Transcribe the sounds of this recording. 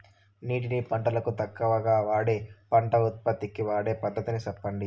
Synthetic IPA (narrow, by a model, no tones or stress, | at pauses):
niːʈinipɐɳʈɐlɐkut̪ɐkːɐʋɐɡaːʋaːɽeːpɐɳʈɐut̪̚pɐt̪ːikiʋaːɽe̞ːpɐd̪ʱːɐt̪inisɐpːɐɳɖi